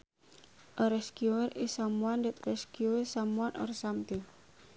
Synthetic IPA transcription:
ʔɔɾɛskiɛrisamuandət̪rɛskiɛsamuanʔɔ̰rsamt̪e

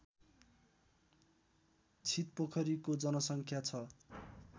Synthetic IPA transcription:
t͡sʰit̪̚pokʰʌɾikod͡zʌnʌsʌŋkʰjat͡sʰʌ

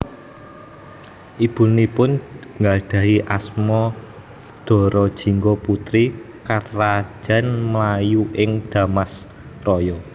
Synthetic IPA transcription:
ʔib̥ṳnipʊnŋɡaɖ̪̥ä̤ɦiʔasmɔ | d̪̥ɔ̤ɾɔd̥ʒ̥i̤ŋɡɔput̪ɾikaɾḁd͡ʒ̥a̤nmlajuʔɪŋd̪̥a̤mas | rɔjɔ

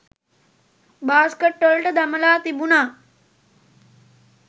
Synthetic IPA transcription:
baːskəʈːəlʈəd̪ɐməlaːt̪ibunaː

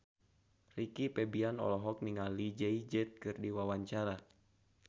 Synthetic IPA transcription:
rikipɛbianɔ̰lɔɦɔk̚niŋalid͡ʒɛid͡ʒɛt̪̚kɨrdiwawaɲt͡ʃaɾa

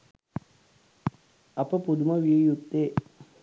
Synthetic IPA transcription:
ɐpəpud̪uməʋiejut̪ːeː

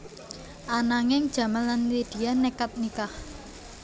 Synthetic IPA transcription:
ʔanaŋɪŋd̥ʒ̥a̤manlanted̪̥i̤anːɛkat̪̚nikah

